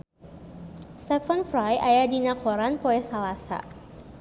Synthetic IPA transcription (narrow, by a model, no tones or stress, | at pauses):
st̪ɛfanfɾajajadinakoɾanpoɛsalasa̰